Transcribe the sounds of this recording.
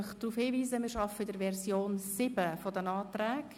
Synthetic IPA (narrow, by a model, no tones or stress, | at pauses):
χd̥ɾuːfhiːviːzəmɪːɾʃɑfədəɾvɛrzjoːnsɪb̥əfɔdənɑːtrɛːk